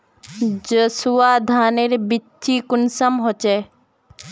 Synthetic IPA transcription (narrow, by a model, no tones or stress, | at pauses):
d͡ʒəsuaːd̪ʱaːneɾebitːikʊnsɐmɦot͡ʃɛ